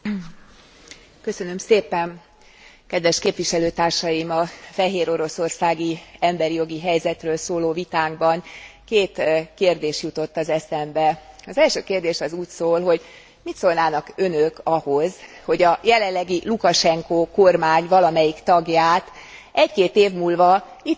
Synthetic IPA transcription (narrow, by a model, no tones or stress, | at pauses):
kø̞sø̞nømseːpɛn | kɛd̪ʋɛʃkeːpvʋiʃɛløːt̪aːrʃɒjimɒfɛɦeːɾo̞ɾo̞so̞rsaːɡiɛmbɛɾijo̞ɡiɦɛjzɛt̪røːlsoːloːvit̪aːɡbɒŋkeːt̪keːrd̪eːʃjut̪o̞t̪ːɒzɛsɛmbɛɒzɛlʃøːkeːrd̪eːʃɒzuːcsoːlɦo̞ɟ | mit̪soːlnaːnɒkønøkɒho̞zho̞ɟɒjɛlɛnlːɛɡilukɒʃɛŋkoːkormaːɲvɒlɒmɛjikt̪ɒɡjaːt̪ɛckeːt̪eːvmuːlvɒ | it̪